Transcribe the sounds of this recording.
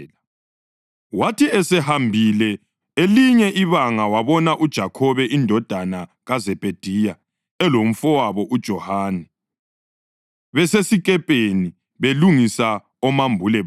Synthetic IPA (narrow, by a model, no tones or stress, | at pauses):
l | watʰiɛsɛhambʱilɛ | eliɲɛʔiβaŋawaβɔnaʔud̥ʒ̥ʱakʰɔβɛʔindʱɔd̥ʱanaɣazɛpʼed̥ʱiːja | ɛlom̩fɔwaβɔʔud̥ʒ̥ʱɔhaːnɛ | βɛsesikʼɛpʼeni | βeluŋisa | ɔmambʱulɛ